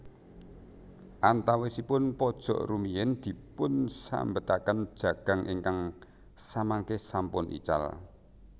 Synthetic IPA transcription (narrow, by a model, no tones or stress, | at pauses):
ʔant̪awesipʊnpɔd̥ʒ̥ɔ̤̰ʔrumijɪnd̪̥i̤pʊnsa̰mbət̪akənd̥ʒ̥ä̤ɡ̥a̤ŋʔiŋkaŋ | samaŋkehsampʊnʔḭt͡ʃa̰l